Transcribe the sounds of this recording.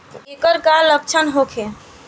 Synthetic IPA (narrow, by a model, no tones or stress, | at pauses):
ekəɾkalːək̚t͡ʃʰənɦokʰe